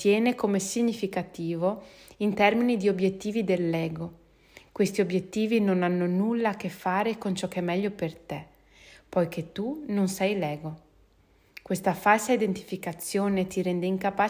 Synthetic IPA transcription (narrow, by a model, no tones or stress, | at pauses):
t̪jɛːnekomesiɲːifikat̪iːvoint̪ɛrminid̪iobjet̪ːiːvid̪elːɛːɡo | kwest̪iobjet̪ːiːvinonanːonulːakefːaːɾekont͡ʃɔkːɛmːɛʎːopert̪e | pɔjkʰet̪ːunonsɛjlɛːɡo | kwest̪afalsaid̪ent̪i̥fikat̪sːjoːnet̪iɾɛnd̪eiŋkapa